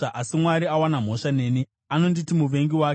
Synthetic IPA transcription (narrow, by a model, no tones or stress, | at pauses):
ʔasimwaɾiawanam̤o̞ʂane̞ːni | ano̞nditimuʋe̞ŋɡiwaːk